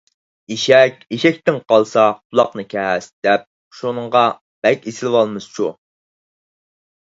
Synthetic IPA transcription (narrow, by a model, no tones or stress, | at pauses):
eʃɛkʲeʃɛk̚ʲt̪ɪnqɑlˠsɑqʊlˠɑqnɨkʲʰɛsd̪̥ɛp̚ | ʃunɨɴʁɑ | b̥ɛkʲesɪlwɑlˠmɨst͡ʃʰu